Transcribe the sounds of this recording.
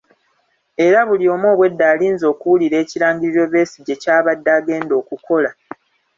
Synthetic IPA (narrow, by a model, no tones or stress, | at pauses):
e̞ɾaβulio̞ːmo̞ːβwe̞dːaːliːnzo̞ːkuwuliɾe̞ːciɾaːɲɡiɾiɾo̞βe̞ːsiɟe̞caːβadːaːɡe̞ːndo̞ːkuko̞la